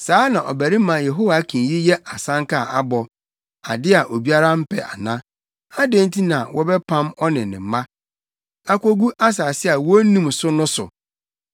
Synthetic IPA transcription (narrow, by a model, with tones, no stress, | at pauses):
saː˨˦nã˨ʔɔ̰˨bæ˨ɾi˦mã˨je˨ɦo˦wa˨˦kʰĩ˨ji˦jɛ˦ʔa˨sã˦ŋka˦˨ʔa˦bɔ˨ | a̰˨dɪ˦a˨ʔo˨bi˦a˦ɾa˦m̩˦pʰɛ̰˨ʔa̰˨nã˦ | a˦dẽ˦n˦tʰi˦nã˨wʔɔ˦bɛ˦pʰã˦mɔ˦nɪ̃˨nɪ̰̃˨mã˦ | a˦kʷo˦ɡu˦ʔa˦s̬aː˨sɪ˦a˨wɔ˦nũ˦msʊ˦nʊ̃˦sʊ̰˨